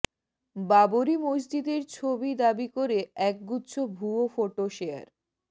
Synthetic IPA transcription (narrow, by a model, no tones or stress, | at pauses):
baboɾimosd͡ʑid̪eɾt͡ɕʰobid̪abikoɾeɛk̚ɡutːɕʰobʱuofoʈoʃea̰ɾ